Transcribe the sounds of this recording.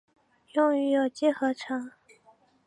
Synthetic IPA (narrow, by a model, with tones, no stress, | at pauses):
jʊ˥˩ŋy˧˥jo˨˩ʊt͡ɕjɛ˥˩xɤ˧˥ʈ͡ʂʰɤ˧˥ŋ